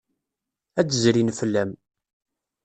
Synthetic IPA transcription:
æt͡sːəzɾinfəlːæm

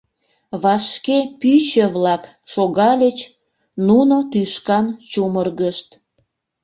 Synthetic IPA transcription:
βɑʃkepyt͡ɕəβlɑk | ʃoɣɑlʲət͡ɕ | nunot̪yʃkɑnt͡ɕumərɣəʃt̪

